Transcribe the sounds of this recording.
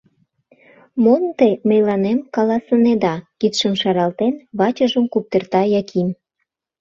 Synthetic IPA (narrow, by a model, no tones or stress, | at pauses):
mont̪eməjlɑnemkɑlɑsəned̪ɑkit̪ʃəmʃɑɾɑlt̪enβɑt͡ɕəʒəmkup̚t̪ert̪ɑjɑkʰin